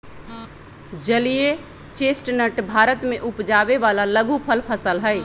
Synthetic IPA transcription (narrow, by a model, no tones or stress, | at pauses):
d͡ʒəlije | t͡ʃesʈnəʈbʱaɾət̪meʔupd͡ʒabeβalaləɡʱupʰəlpʰəsəlɦəɪ